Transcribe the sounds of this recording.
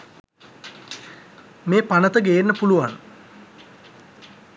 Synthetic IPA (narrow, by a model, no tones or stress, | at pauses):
meːpanət̪əɡeenːəpuluʋan